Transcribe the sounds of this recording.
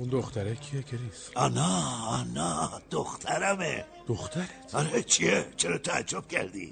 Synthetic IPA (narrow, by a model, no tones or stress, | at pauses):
und̪oxt̪æɾekʰiecʰenis | ɒnɑɒnɑd̪̥oxt̪ʰæɾæmḛ | d̪̥oxt̪ʰæɾet̪ɒɾet͡ʃʰiet͡ʃʰeɾɒt̪ʰææ̰d͡ʒːob̥̚cʰæ̰ɾd̪ḭ